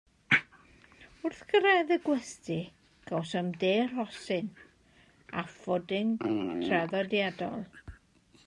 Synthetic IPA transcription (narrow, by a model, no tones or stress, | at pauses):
ʊrθkʰəɾajðəɡwɛstɪ | ɡ̥awsɔmdeːr̥ɔsɪn | afɔdɪntʰraðɔdjadɔ̰lˠ